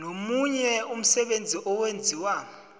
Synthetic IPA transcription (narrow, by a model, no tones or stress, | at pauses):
nomuɲɛum̩sɛɓend͡zʱiʔɔwend͡zʱiwaː